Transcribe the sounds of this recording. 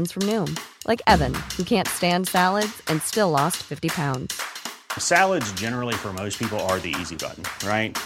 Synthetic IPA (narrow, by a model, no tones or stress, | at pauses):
nz̥fɹʌ̃mnʉ̃mlʔaɪkɛvɨ̃nhʉkʰæ̃ntstæ̃ndsælˠədz̥ɨ̃nstɪlɔstfɪftipʰãʊ̃ndz̥sælˠədzd͡ʒɛnə˞l̩ˠifə˞moʊspʰipl̩ˠə˞ðḭḭzibʌ̰ʔn̩ɹaɪt̚